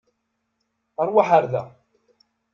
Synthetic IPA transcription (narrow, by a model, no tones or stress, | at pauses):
ɑɾˤwaħaɾðæ̰